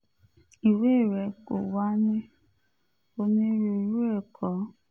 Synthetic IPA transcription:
i˨we˦˨ɾɛ˨ko̰˨wa˦ni˦ | o˧nĩ˦ɾu˧i˨ɾu˦ɛ˦˨kʰɔ˨˦

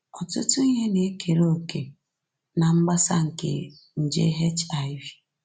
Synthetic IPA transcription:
ɔ˨tʊ˦tʊ˦i˦ɲe˦ne˨˦kʰe˨ɾo˦o˨ke˨ | na˨ŋ͡m̩˦ɡ͡ba˦sa˦ŋ̩˨kḛ˨ | n̩˨d͡ʒḛ˦ɦe˦t͡ʃa˨ɪ˦vi˨˦

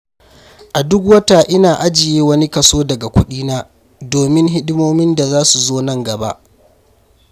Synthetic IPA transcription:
ʔa˨dʊ˦k̬wɐ˦ta˨ʔɪ˦naː˨ʔa˦d͡ʒɪ˨jeː˦wɐ˦ni˦kɐ˨soː˦dɐ˨ɡa˨kʷʊ˦ɗiː˦naː˦ | doː˨mɪ˦ŋɦɪ˦ɗɪ˦moː˦mɪ˦nda˨zaː˦su˨zoː˦nɐ˦ŋɡɐ˨ba̰˦ʔ

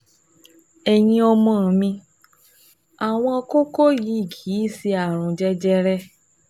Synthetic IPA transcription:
ɛ˨j̃ĩ˧ɔ˧mɔ̃˧˦˨mĩ˧ | a˨w̃ɔ̃˧ɔ˧ko˦ko˦ji˨˦i˦˨ɡiː˨˦˨si˧a˨ɾ̃ũ˨d͡ʒɛ˦d͡ʒɛ˧ɾɛ˦

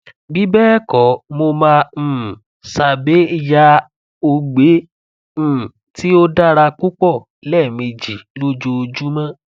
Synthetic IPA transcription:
bi˨˦bɛ˦kɔ˨˦mo˧mãː˧˨ | sa˨be˨˦ja˧˦ | o˧ɡ͡bẽ˨˦˨ | ti˦o˦da˦˨ɾa˧ku˦k͡pɔ˦˨ | lɛ˦˨mẽ˧d͡ʒi˨lo˦d͡ʒo˧d͡ʒu˦mã˦

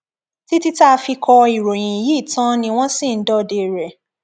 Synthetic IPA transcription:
ti˦ti˦ta˦˧fi˧kʰɔ˧i˨ɾo˨j̃ĩ˨ji˦˨tã˦nĩ˧w̃ɔ̃˦sĩ˦˨n̩˦dɔ˦˨de˧˨ɾɛ˨

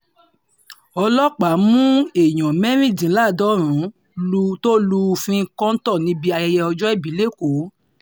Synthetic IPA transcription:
ɔ˧lɔ˦k͡pa˨˦mũ˦e˨j̃ɔ̃˨mɛ˦ɾ̃ĩ˦˨dĩ˨˦la˦˨dɔ˨˦ɾ̃ũ˨˦˧ | to˦lu˧fĩ˧˦kɔ̃˦n̩˦tɔ˦˨nĩ˦bi˧˦a˧jɛ˧jɛ˧ɔ˧d͡ʒɔ˦ɛ˦˨bi˨˦le˦˨ko˨˦

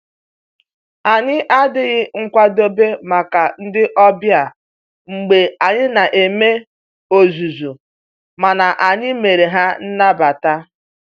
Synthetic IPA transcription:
a˨ɲɪ˦ʔa˦dɪ˦ɣɪ˦ŋ̩˦kʷa˦do˦be˦ma˨ka˨n̩˦dɪ˦ʔɔ˦bja˨ | ŋ͡m̩˨ɡ͡be˨a˨ɲɪ˦na˨ʔe˨me˦ | o˨zu˨zu˨ | ma˨na˨ʔa˨ɲɪ˦me˨ɾe˨ɦa˦n̩˦na˦ba˨ta˦

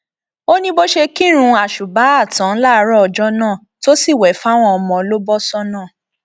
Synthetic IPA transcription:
o˦nĩ˦bo˦ʃe˧ki˦˨ɾ̃ũ˧a˨ʃu˨ba˨˦a˦˨tã˨˦la˦˧˦ɾɔ˦ɔ˨d͡ʒɔ˦nãː˦˨to˦si˦˨wɛ˨˦fa˦w̃ɔ̃˧ɔ˧mɔ̃˨˧˦lo˦bɔ˦sɔ˦nãː˦˨

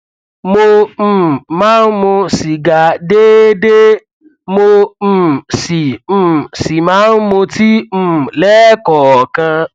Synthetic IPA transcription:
mo˧m̩˨˧˨mãː˦n̩˦mõ˧si˨ɡa˨de˦de˦ | mõ˧˨ | si˨m̩̃˨si˨mãː˨˦n̩˦mõ˧ti˦m̩̃˦˨lɛː˦kɔ˨kã˧

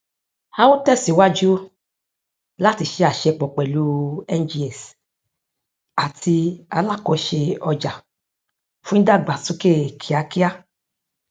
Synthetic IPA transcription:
a˦wo˦tɛ˦˨si˨˦wa˦d͡ʒu˦ | la˦ti˧ʃe˧˦a˨ʃɛ˧k͡pɔ˨k͡pɛ˨lu˦ɛ˦nd͡ʒi˧ɛ˨s | a˨tʰi˧a˧la˦˨kɔ˨˦ʃe˧ɔ˧d͡ʒa˨ | fũ˦da˦˨ɡ͡ba˨su˦ke˦˨kʰi˨a˨˦ki˦a˦

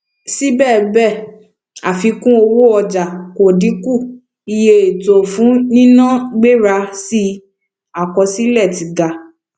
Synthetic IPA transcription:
si˦bɛː˦˨bɛ˦˨ | a̰˨fi˧kũ˦o˧wo˦ɔ˧d͡ʒa˨ko˨di˨˦ku˦˨ | i˧je˧e˨to˨fũ˨˦nĩ˦nã˦˨ɡ͡be˦ɾa˧si˦ | a˨kɔ˧si˦lɛ˦˨ti˨ɡa˨

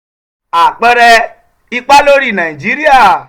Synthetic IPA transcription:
a˨k͡pe˦ɾe˦ | i˦k͡pa˦lo˦ɾi˦˨na˨i˨d͡ʒi˦ɾi˦a˨

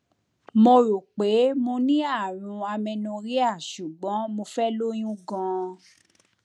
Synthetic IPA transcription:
mo˧ɾo˨k͡pe˨˦mo˧nĩ˦a˦˨ɾ̃ũ˧a˧mɛ̃˧nũ˧ɾi˦a˦˨ʃu˨ɡ͡bɔ̃˨˦mo˧fɛ˦lo˦j̃ũ˦ɡã˧

